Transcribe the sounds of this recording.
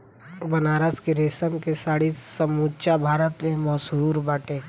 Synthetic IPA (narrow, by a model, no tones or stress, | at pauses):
bɐnaːɾəskeɾeːsəmkesaːɽisəmuːt͡ʃabʱaːɾət̪mẽmɔsɦuːɾbaːʈe